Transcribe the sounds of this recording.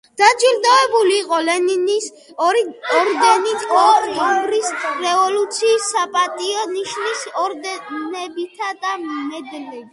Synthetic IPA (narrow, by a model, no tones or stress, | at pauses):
d̪̥ad͡ʒwild̪aɛbuliːqʼɔlɛninis | ɔɾd̪ɛnit̪ʼɔɔɡɾisɾɛvɔlut̪sʰiːsːapʼat̪ʼiɔniʃnisdnɛbit̪ʰad̪amɛd̪lɛb